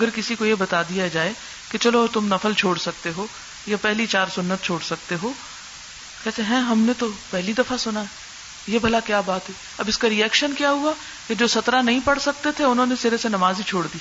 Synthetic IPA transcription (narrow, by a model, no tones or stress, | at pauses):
ɐɡəɾkɪsikojebɐt̪ad̪ijad͡ʒaːe | ket͡ʃɐlot̪ʊmnɐfəlt͡ʃʰoːɽsɐk̚t̪eɦoː | japɛɦlit͡ʃaːɾsʊnːət̪̚t͡ʃʰoːɽsɐk̚t̪eɦoː | kɛɦt̪eɦɛ̃ːɦɐmnet̪opɛɦlid̪ɐfasʊnaɛ | jebʱɐlakjaːbaːt̪ɦɛ | ɐbɪskaɾiɛːkʃənkjaɦua | ked͡ʒoːsɐt̪ɾanɐɦĩpɐɽsɐk̚t̪et̪ʰeʊnɦõːnesɪɾesenɐmaːzit͡ʃʰoːɽd̪iː